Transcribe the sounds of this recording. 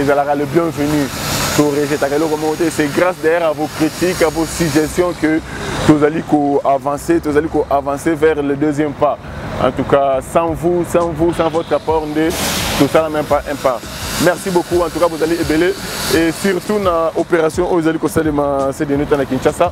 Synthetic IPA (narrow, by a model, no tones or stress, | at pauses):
ezalaʁaləbjɛ̃vənytoʁeʒɛt̪akalokomãot̪esɛɡʁasd̪ɛjɛʁavokʁit̪ikavosyʒɛst̪jɔ̃kə | t̪ozalikoavɑ̃set̪ozalikoʔavɑ̃sevɛʁləd̪øzjɛmpa | ɑ̰̃t̪ukasɑ̃vusɑ̃vusɑ̃vɔt̪ʁapɔʁndet̪osalamɛ̃mpaʔɛ̃pa | mɛʁsibokuɑ̃t̪ukavuzaleebeleesyʁt̪unaopeʁasjɔ̃ʔouzalikosalemãsed̪enot̪anakĩnʃasa